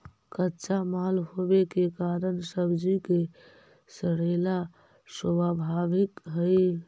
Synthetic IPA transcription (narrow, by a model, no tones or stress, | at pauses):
kətːt͡ʃamalɦobekekaɾəɳsəbd͡ʒike | səɽela | səbabʱaʋikɦəj